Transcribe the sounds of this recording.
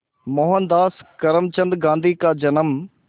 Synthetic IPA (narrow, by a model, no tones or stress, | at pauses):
moːɦənd̪aːskɐɾəmt͡ɕɐ̃nd̪ɡãːnd̪ʱiːkaːd͡ʑɐnəm